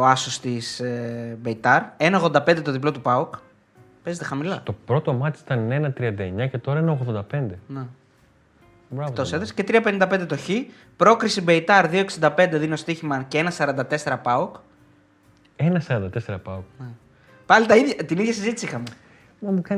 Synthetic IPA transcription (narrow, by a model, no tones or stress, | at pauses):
oɐsost̪isbeit̪ɐɾe̞nɐoɣðod̪ɐped̪et̪ðip̬lo̞t̪upɐok | pe̞zet̪e̞xɐmilɐt̪o̞pɾo̞t̪omɐt̪isi̥t̪ɐnenɐt̪ɾiɐnd̪ɐeɲɐce̞t̪o̞ɾɐenɐoɣðod̪ɐpe̞nd̪ene | bɾɐt̪oseðɐsce̞t̪ɾiɐpe̞nind̪ɐped̪et̪o̞çi | pɾo̞kɾisibeit̪ɐɾðioeksind̪ɐpe̞nd̪eðineost̪içimɐceenɐsɐɾɐnd̪ɐt̪e̞se̞ɾɐpɐok | enɐsɐɾɐnd̪ɐt̪e̞seɾɐpɐokne | pɐlit̪ɐiðʝɐt̪iniðʝɐsizit̪i̥sixɐme | mɐmukɐn